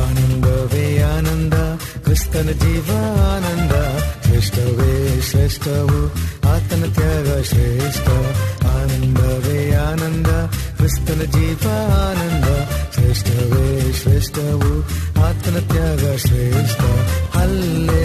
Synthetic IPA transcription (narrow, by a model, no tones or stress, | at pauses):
aːnɐnd̪ɐʋeːaːnɐnd̪ɐ | kɾɪst̪ɐnɐd͡ʒiːʋɐːnɐnd̪ɐʃɾeːʂʈɐʋeːʃɾeːʂʈɐʋuaːt̪ɐnɐt̪jaːɡɐʃɾeʂʈɐaːnɐnd̪ɐʋeːjaːnɐnd̪ɐkɾɪst̪ɐnɐd͡ʒiːʋɐaːnɐnd̪ɐʃɾeːʂʈɐʋeːʃɾeːʂʈɐʋuaːt̪ɐnɐt̪jaːɡɐʃɾeʂʈɐhɐlːe